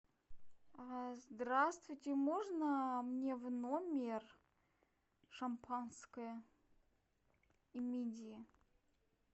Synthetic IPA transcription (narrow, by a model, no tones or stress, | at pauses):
azd̪ɾast̪vʊjtʲɪmoʐnəmnʲevnomʲɪr | ʂampʰanskəjə | imʲidʲɪɪ